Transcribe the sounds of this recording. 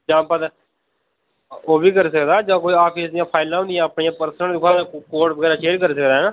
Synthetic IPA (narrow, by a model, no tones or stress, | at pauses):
d͡ʒãːpəd̪ | oːbiːkəɾsəkd̪aːd͡ʒãːkoːiːaːpʰiːsd̪ɪjãːpʰaːɪlãːɦõnd̪ɪjãːəpniːãːpəɾsənənd̪ʊkʰãːd͡ʒokoːɾʈbəɡɛːɾaːʃʰeːɾkəɾsəkd̪aːɦɛnaː